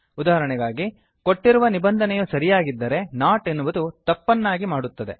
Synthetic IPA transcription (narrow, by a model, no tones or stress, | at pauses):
ud̪aːɦɐɾɐɳɛɡaːɡi | ko̞ʈːiɾuʋɐnibɐnd̪ʱɐnɛjusɐɾijaːɡid̪ːɐɾe̞naːʈenːuʋɐd̪ut̪ɐpːɐnːaːɡimaːɽut̪ːɐd̪e̞